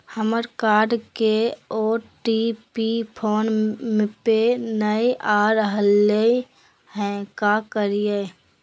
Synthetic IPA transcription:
həməɾkaːɾɖkeɔːɾʈipipʰoːnmẽpenəiʔaːɾɦəlːe | hɛ̃kakəɾije

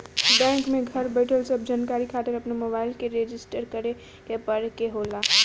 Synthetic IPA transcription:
bɛ̃ːŋkmẽɡʱəɾbeʈəlsəb̚d͡ʒaːnkaːɾikʰaːt̪əɾɐpnemobaːɪlkeɾeːd͡ʒɪsʈəɾkəɾe | kepəɾekeɦoːlaː

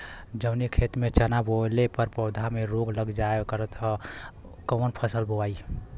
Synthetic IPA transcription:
d͡ʒəʊnikʰet̪met͡ʃənabolepəɾpəʊd̪ʱameɾoɡləɡd͡ʒaekəɾət̪ɦə | konpʰəsəlboai

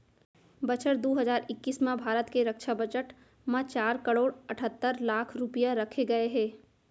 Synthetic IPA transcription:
bɐt͡ʃəʈd̪oːɦəzaːɾɪkːiːsmãbʱaːɾət̪keɾɐkʃabət͡ʃəʈ | mãt͡ʃaːɾkəɽoːɽɐʈʰət̪ːəɾlaːkʰɾʊpijaɾɐkʰeɡɐeɦɛ̃ː

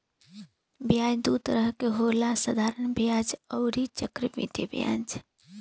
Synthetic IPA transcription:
bjad͡ʒd̪ut̪ɾəɦkeɦolasəd̪ʱaɾənbjad͡ʒəʊɾit͡ʃəkɾibḭt̪ḭbjã̰d͡ʒ

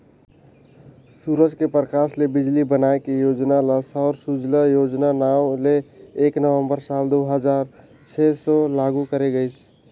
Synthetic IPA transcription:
suɾəd͡ʒkepɾəkaslebid͡ʒlibənaekejod͡ʒnaləsɔɾsud͡ʒləjod͡ʒnanaʊleːknəʋə̃mbəɾsald̪oɦəd͡ʒaɾ | t͡ʃʰɛsɔlaɡukəɾeɡəɪt͡ʃʰ

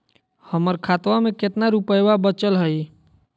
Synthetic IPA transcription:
həməɾkʰat̪wameket̪naɾupəjwabət͡ʃəlɦəi

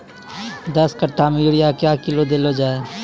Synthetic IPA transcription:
d̪əskəʈʰamẽjʊɽɪjakjaːkɪlod̪eːlod͡ʒaːe

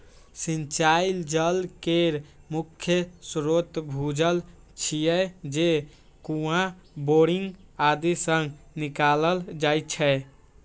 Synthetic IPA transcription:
sint͡ʃaild͡ʒəlkeɾmukʰːjəsɾot̪bʱud͡ʒəl | t͡ʃʰijɛd͡ʒe | kuɦã | boɾiŋɡad̪isəŋɡnikaləld͡ʒajt͡ʃʰɛ

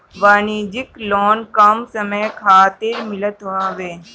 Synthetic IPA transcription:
ʋaːnid͡ʒɪkloːnkɐmsəməjkʰaːt̪ɪɾmɪlət̪ãːʋeː

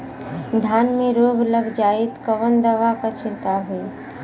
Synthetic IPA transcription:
d̪ʱjaːnmẽɾoːɡləɡd͡ʒaːɪt̪kəʋənd̪əʋakat͡ʃʰɪɾkaɦui

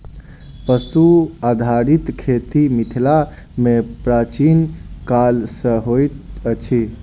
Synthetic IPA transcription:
pəsuad̪ʱaɾit̪kʰet̪imit̪ʰila | mepɾat͡ʃinkalsə̃ɦojt̪ət͡ʃʰi

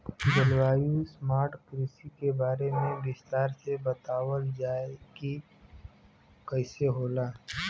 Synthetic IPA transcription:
d̪əlwaːjusmaːɾʈkɾiːsikebaːɾemẽbɪst̪aːɾsebɐt̪aːwəld͡ʒaːeɡi | kəɪseɦoːlaː

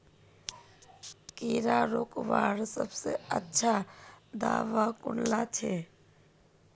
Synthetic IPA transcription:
kiːɾaɾoːkʋaːɾsə̰bsḛətːʃʰad̪a̰ːʋakʊnlat͡ʃʰe

